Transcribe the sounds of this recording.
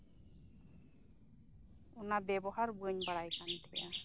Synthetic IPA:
ɔnabɛbɔɦaɾbəɲbaɽajkant̪ʰɛja̰

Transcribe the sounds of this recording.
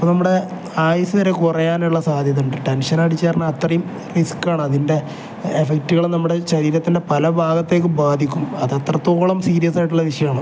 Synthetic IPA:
ipːonɐmːuɽe̞ | aːjɐsɐðɐɾekurɐjaːnuɭːɐsaːd̪ʱjɐðuɳɖɨʈenʂɐnaːʈit͡ɕːeːɾɐnːɐɐt̪rɐjum | riskːaːɳɨɐðinde̞ː | fek̚tːuɣɐɭnɐmːuɽe̞ɕɐɾiːɾɐt̪ːinde̞pɐlɐbʱaːɡɐt̪ːeːk̬ːɨbaːd̪ʱikʲːumɐðɐt̪rɐt̪ːoːɭɐmsiːɾijɐsaːjʈ̬ːuɭːɐʋiʂɐjɐaːɳɨ

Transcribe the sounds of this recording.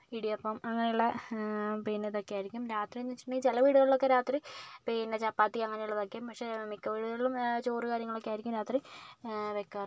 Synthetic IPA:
iɽiɐpːomɐŋːɐnejuɭːɐ | peːneðo̞kːejaːjiɾikʲːumɾaːt̪rionːit͡ɕːi̥ʈɳːiːt͡ɕelɐʋiːɽuɣɐɭiɭo̞kːe̞ɾaːt̪ripeːnet͡ɕɐpːaːt̪ːiɐŋːɐnejuɭːɐðokːempɐkʂe̞mikːɐʋiːɽuðɐɭɭːumt͡ɕoːrɨkaːɾjɐŋːɐɭo̞kːejaːjiɾikʲːumɾaːt̪ri | ʋekːɐr

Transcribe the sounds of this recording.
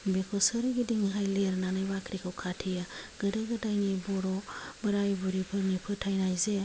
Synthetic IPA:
bekʰɔsɯɾɡidiŋɦajleɾnanajbakʰɾikʰɯwkʰatʰijaɡ̥ɯdɯɡɯdajnibɔɾɔbɯɾajbuɾipʰɯnipʰɯtʰajnajze

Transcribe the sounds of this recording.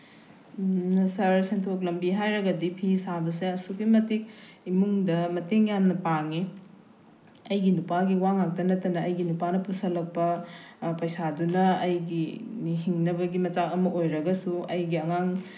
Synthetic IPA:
sɐɾseŋtʰok̬lɐmbiɦajɾɐɡɐdipʰisabɐs̬eɐsukimɐtik̚ | imuŋdɐmɐteŋjamnɐpaŋi | ɐjɡinupaɡiwaŋak̚tɐnɐtːɐnɐɐjɡinupanɐpusɐlɐk̚pɐpɐjsadunɐːjɡiniɦiŋnɐbɐɡimɐt͡ʃawɐmɐʔojɾɐɡɐsuɐjɡiɐŋaŋ

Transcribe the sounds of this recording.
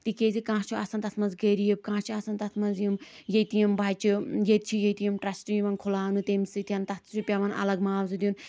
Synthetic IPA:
t̪ikezikãːt͡ʃʰuɐsɐnt̪ɐt̪ʰmɐnzɡeɾijeb̚kãːt͡ʃʰiɐsɐnt̪ɐt̪ʰmɐnzjimjet̪ijimbaːjt͡ʃʰijet̪t͡ʃʰijejt̪ijimʈɾɐsʈimɐnkʰulaːnut̪emsɨt̪ʰʲɐnt̪ɐt̪ʰt͡ʃʰupʲaʋɐnʔɐ̰lɐɡmaːwzud̪ʲun

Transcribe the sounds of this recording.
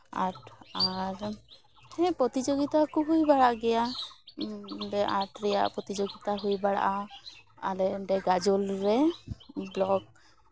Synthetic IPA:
aɾaɾ | hɛpɔt̪id͡ʒoɡit̪akuɦujbaɽaʔɡɛja | dɛʔat̪ɾija̰ʔpɹɔt̪id͡ʒoɡit̪aɦujbaɽa̰ʔa | a̰lɛɖɛɡad͡ʒɔlɹɛ | blɔɡ̚

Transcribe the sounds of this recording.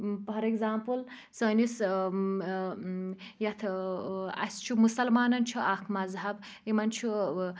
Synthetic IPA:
pʰɐɾeɡzaːmpul | sɐːnis | jɐt̪ʰ | ɐ̰st͡ʃʰumusɐlmaːnɐnt͡ʃʰuʔakʰmɐzɦɐb | imɐnt͡ʃʰu

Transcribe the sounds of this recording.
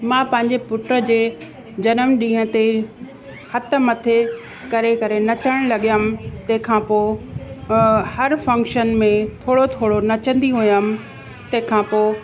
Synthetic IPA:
mãːpɐ̃ɦɪ̃ɲd͡ʑepʊʈɾəd͡ʑeː | d͡ʑɐnəmɗĩːə̃t̪e | hɐt̪ə̆mɐt̪ʰe | kɐɾekɐɾenɐt͡ɕəɽ̃lɐɠijəmt̪ɐ̃ɦɪ̃kʰãːpoː | hɐɾfɐ̃ŋkʃənmẽt̪ʰoːɽot̪ʰoːɽonɐt͡ɕə̃n̆d̪iɦujəm | t̪ɐ̃ɦɪ̃kʰãːpoː

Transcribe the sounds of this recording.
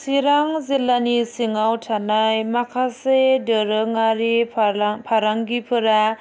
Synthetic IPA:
siɾaŋzilːanisiŋawtʰanajmakʰasedɯɾɯŋaɾipʰaɾaŋɡipʰɯɾa

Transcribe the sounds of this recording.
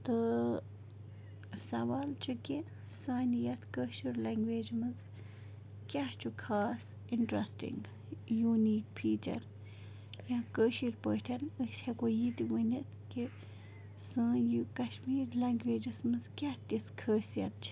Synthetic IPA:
t̪ɨ | sɐʋaːlt͡ʃʰukʲe | saːnijɐt̪kəːʃiɾlɐŋɡʋeːd͡ʒmɨz | kʲaht͡ʃʰukʰaːs | iɳʈɾɐsʈḭŋɡ | juːniːk̚pʰiːt͡ʃɐ̰ɾ | jãːkəːʃiɾpəːʈʰɐnəshɐkojit̪iʋənʲit̪ʰki | sãːjikɐʃmiːɾlɐŋɡʋeːd͡ʒismɨzkʲaht̪iskʰəːsjɐ̰t̪̚t͡ʃʰi̥

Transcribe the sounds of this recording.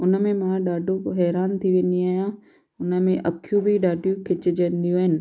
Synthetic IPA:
ʊnə̆mẽmãɗaːɖʱoɦɛːɾaːnt̪ʰiʋẽːnd̪iaːɦijã | ʊnəmẽʔɐkʰjũbʱiɗaːɖʱjũkʰɪt͡ɕɪd͡ʑə̃nd̪ijũɦɪnɪ̆

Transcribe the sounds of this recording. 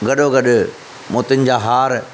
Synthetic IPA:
ɡɐɗoɡɐɗʊ | moːt̪ɪnɪ̆d͡ʑaːɦaːɾ

